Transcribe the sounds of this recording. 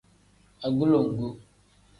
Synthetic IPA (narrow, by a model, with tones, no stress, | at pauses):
a˨ɡu˦lo˨ŋ̩˨ɡu˦